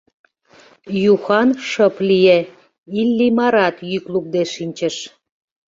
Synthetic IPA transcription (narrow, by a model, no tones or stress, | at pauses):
juxɑnʃəplije | ilːimɑɾɑt̪jykluk̚d̪eʃinʲt͡ɕəʃ